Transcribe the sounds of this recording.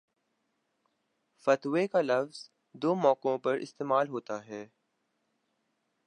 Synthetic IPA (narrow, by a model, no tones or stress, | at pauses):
fɐt̪wekalɐfz̥ | d̪oːmɔːkõpɐɾʔɪ̰st̪eːmaːlɦoːt̪aɦɛː